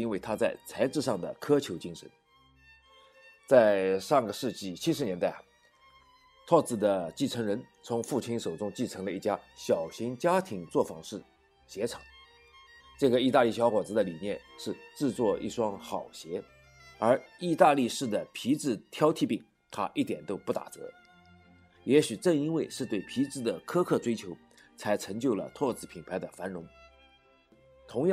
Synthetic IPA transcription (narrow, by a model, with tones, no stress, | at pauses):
i˥nwe˥˩ɪt̪ʰa˥t͡sa˥˩ɪt͡sʰa˧˥ɪʈ͡ʂɻ̩˥˧ʂɑ˥˩ŋd̪ə̰˩kʰɤ˥t͡ɕʰjo˧˥ʊt͡ɕi˥ŋʂə̰˧˥n | t͡sa˥˧ɪʂɑ˥˩ŋɡə˩ʂɻ̩˥˧t͡ɕi˥˩t͡ɕʰi˥ʂɻ̩˧njɛ˧˥nt̪a˥˩ɪ˩ | t̪ʰɔ˥˧t͡sɹ̩˥˩d̪ə˦t͡ɕi˥˩t͡sʰɤ˧˥ŋɻə˧˥nt͡sʰʊ˧˥ŋfu˥˩t͡ɕʰi˧˥nʂo˨˩ʊʈ͡ʂʊ˥ŋt͡ɕi˥˩ʈ͡ʂʰɤ˧˥ŋlə˧i˥˩t͡ɕja˥ɕjɑ˨˩ʊɕi˧˥ŋt͡ɕja˥t̪ʰi˧˥ŋt͡swɔ˥˩fɑ˧˥ŋʂɻ̩˥˩ | ɕjɛ˧˥ʈ͡ʂʰɑ̥˨˩˦ŋ | ʈ͡ʂɤ˥˩ɡə˩i˥˧t̪a˥˧li˥˩ɕjɑ˧˥ʊkwɔ˨˩t͡sɹ̩˧˥d̪ə˧li˨˩njɛ˥˧nʂɻ̩˥˧ʈ͡ʂɻ̩˥˧t͡swɔ˥˧ḭ˥˩ʂwɑ˥ŋxɑ˨˩ʊɕjɛ˧˥ | ə˞˧˥i˥˧t̪a˥˧li˥˧ʂɻ̩˥˩d̪ə˩pʰi˧˥t͡sɹ̩˥˩t̪ʰjɑ˥ʊt̪ʰi˥˧pi˥˩ŋ | t̪ʰa̰˥ʔi˥˩t̪jɛ˨˩nt̪o˥ʊpu˥˩t̪a̰˨˩t͡sɤ̰˧˥ | jɛ˧˥ɕy˨˩ʈ͡ʂɤ˥˩ŋi˥ŋwe˥˧ɪʂɻ̩˥˧t̪we˥˩ɪpʰi˧˥t͡sɹ̩˥˩d̪ə˩kʰɤ˥kʰɤ˥˩ʈ͡ʂwe˥ɪt͡ɕʰjo˧˥ʊ | t͡sʰa˧˥ɪʈ͡ʂʰɤ˧˥ŋt͡ɕjo˥˩ʊlə̰˩t̪ʰwɔ˥˩t͡sɹ̩˥˩pʰi˨˩npʰa˧˥ɪd̪ə˧fa˧˥nɻʊ˧˥ŋ | t̪ʰʊ˧˥ŋj